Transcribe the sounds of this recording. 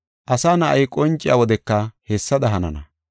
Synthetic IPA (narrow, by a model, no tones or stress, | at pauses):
ʔɐsaːnɐʔɐjkʼɔnt͡ʃʼɪjawɔd̪ɛkːɐhɛsːɐd̪ɐɦɐnɐ̰nɐ̰